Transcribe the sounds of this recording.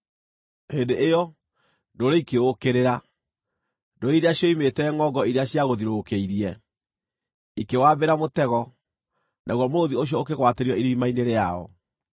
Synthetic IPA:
hendeʔːjɔ | ndoɾeikeokeɾeɾa | ndoɾeiɾeaɕjɔimetɛŋɔɡɔiɾeaɕijaɣoðiɾokeiɾiɛ | ikewabeɾamotɛɣɔ | nʔaɣwɔmooðioɕ̬jɔokeɣwateɾiɔiɾimaineɾeaɔ̰

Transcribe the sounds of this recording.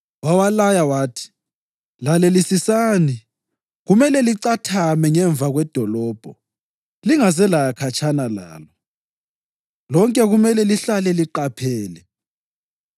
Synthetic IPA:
wawalajawaːtʰi̥ | lalelisisaːni | ɣumɛlɛliǀatʰamɛŋɛɱb̪vʱaɣwɛd̥ʱɔlɔːb̥ʱɔ | liŋasɛlajakʰat͡ʃʰʼanala̰ːlɔ | lɔŋkʼɛɣumɛlɛliɬalɛliǃapʰɛːlɛ

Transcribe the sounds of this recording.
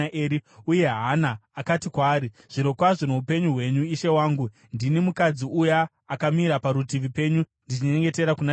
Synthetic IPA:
ʔeːɾiuje̞ɦanaːkatikwaːɾi | ʐ̥iɾo̞kwaʐinoupe̞ɲuɦwe̞ɲuiʃe̞waːŋɡu | ndinimukad͡ziujaː | kamiɾapaɾutiʋipe̞ɲu | ndit͡ʃiɲe̞ŋɡe̞te̞ɾakuna

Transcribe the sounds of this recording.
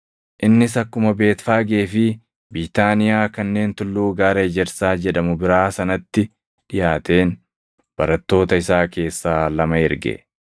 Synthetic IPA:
ʔɪnːɪsɐkːʊmɐbe̞ːt̪faːɡe̞ːfɪ | bit̪aːnɪjaːkɐnːe̞ːnt̪ʊlːuːɡaːɾɐːd͡ʒɛɾsaːd͡ʒɛᶑɐmʊbɪɾaːsɐnɐt̪ːɪ | ᶑɪjaːt̪e̞ːn | b̥ɐɾɐt̪ːo̞ːt̪ɐɪsaːke̞ːsːaːlɐmɐɪɾɡɛ̰

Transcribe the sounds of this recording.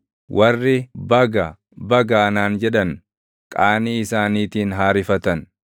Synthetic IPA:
wʔɐrːɪbɐɡɐ | bɐɡɐːnaːnd͡ʒɛᶑɐn | kʼaːniːɪsaːniːt̪iːnɦaːɾɪfɐt̪ɐn

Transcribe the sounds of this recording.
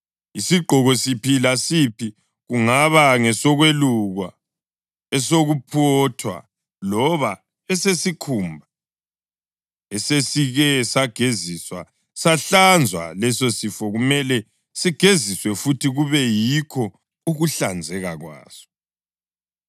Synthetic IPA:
isiɡ͡ǃʱɔɣɔsipʰilasipʰi | ɣuŋaβaŋɛsɔɣweluɣwa | ɛsoɣupʰɔtʰwa̰ | lɔβa | ɛsesikʰumbʱa | ɛsesiɣɛsaɡ̥ʱeziswa̰ | saɬand͡zʱwa̰lɛsosifɔɣumɛlɛ | siɡ̥ʱeziswɛfutʰiɣuβɛjikʰɔ | uɣuɬand͡zʱɛɣaɣwa̰ːz̥ɔ̥

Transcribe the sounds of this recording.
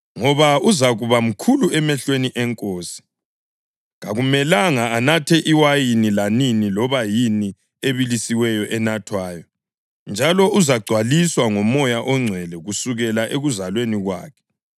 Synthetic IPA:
ŋɔβauzaɣuβam̩kʰuluɛmɛɬweniʔɛŋkʼoːsi̥ | ŋaɣumɛlaŋaːnatʰɛʔiwajinilaninilɔβajini | eβilisiwɛjɔʔɛnatʰwaːjɔ | nd͡ʒʱalɔuzaɡ͡ǀʱwaliswaŋɔmɔjaʔɔŋ͡ǀʱwɛlɛɣusuɣɛlaʔeɣuzalweniɣwa̰ːkʰɛ̥

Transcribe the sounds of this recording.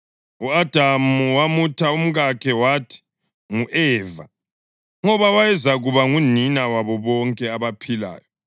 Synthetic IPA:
uad̥ʱamuwamutʰaum̩ɣakʰɛwatʰi̥ | ŋuʔɛːva̰ | ŋɔβawajɛzaɣuβaŋuninawaβɔβɔŋkʼɛaβapʰila̰ːjɔ

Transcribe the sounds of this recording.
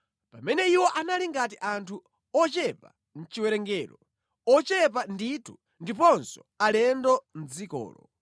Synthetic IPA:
pamɛnɛiwɔʔanaliŋɡat̬iʔantʰu | ɔt͡ʃɛpa | n̩t͡ʃiwɛɾɛŋɡɛːɾɔ | ɔt͡ʃɛpanditʰu | ndipɔnsɔ̥ | alɛndɔn̩d͡zikɔ̰ːlɔ

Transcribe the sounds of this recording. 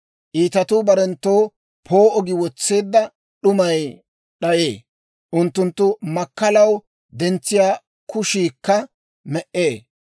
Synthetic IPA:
ʔiːt̪ɐt̪ʊbɐɾɛnt̪ːoː | pʰoːʔɔɡɪwɔt͡sːeːd̪ːɐ | ɗʊmɐj | ɗɐjḛː | ʔʊnt̪ːʊnt̪ːʊmɐkːɐlɐw | d̪ɛnt͡sːɪjaː | kʊʃiːkːɐ | mɛʔːeː

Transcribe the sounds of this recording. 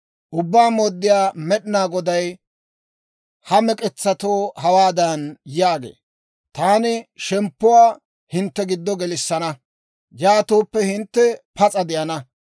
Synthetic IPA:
ʔʊbːaːmoːd̪ːɪjaːmɛɗɪnaːɡɔd̪ɐj | hɐmɛkʼɛt͡sːɐt̪oːhɐwaːd̪ɐnjaːɡḛː | t̪aːnɪʃɛmpːʊwaː | hɪnt̪ːɛɡɪd̪ːɔɡɛlɪsːɐnɐ | jaːt̪oːpːɛhɪnt̪ːɛpɐt͡sʼɐd̪ɪjɐnɐ

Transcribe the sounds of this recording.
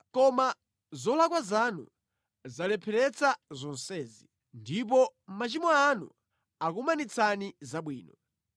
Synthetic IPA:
kɔma | zɔlakwazanṵ | zalɛpʰɛɾɛt͡sʰazɔnsɛːzi | ndip̬ɔmat͡ʃimɔanṵ | akumanit͡sʰanizaɓwiːnɔ

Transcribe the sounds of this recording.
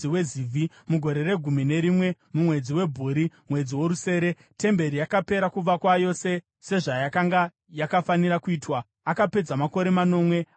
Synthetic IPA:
iweziːvʱi | muɡʱo̞ɾe̞ɾe̞ɡʱumine̞ɾimwe̞ | mumwe̞d͡ziwe̞bʱuːɾimwe̞d͡ziwo̞ɾuse̞ːɾe̞ | te̞mbe̞ɾijakape̞ɾakuʋakwajo̞se̞ | se̞ʐajakaŋɡa | jakafaniɾakuiːtwa | akape̞d͡zamako̞ɾe̞mano̞ːmwe̞

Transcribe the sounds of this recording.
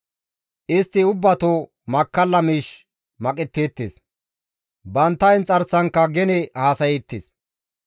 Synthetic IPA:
ʔɪst̪ːɪʊbːɐt̪o | mɐkːɐlːɐmiːʃ | mɐkʼɪt̪ːeːt̪ːḛːs | bɐnt̪ːɐjɪnt͡sʼɐɾsɐŋkːɐɡɛnɛhaːsɐjɛt̪ːɪs

